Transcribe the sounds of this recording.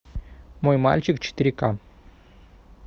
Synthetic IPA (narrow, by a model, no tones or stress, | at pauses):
mojma̰lʲt͡ɕikt͡ɕi̥t̪ʲiɾʲka